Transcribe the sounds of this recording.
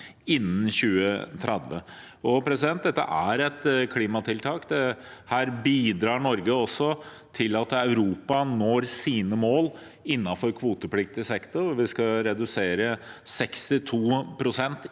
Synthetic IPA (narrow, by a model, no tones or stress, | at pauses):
ɪnːn̩çʉːət̪ʰɾɛd̪ʋə̰ | ɔpʰɾɛsɪd̪ɛnt̪̚d̪ɛt̪ːə̰ʔæɾɛt̪kʰliːmɑt̪ʰɪlt̪ʰɑːkd̪ɛhæːɾbiːd̪ɾɑːɳɔɾɡəɔsːɔ | t̪ʰɪlɑt̪œʉɾuːpɑnoːɾsiːnəmoːl | ɪnːɑfɔɾkʰʋuːt̪əplɪk̚t̪ɪsɛkt̪ʊɾʋɪskɑɾɛd̪ʉseːɾəsɛkst̪ɪt̪ʰuːpʰɾʊsɛnt̪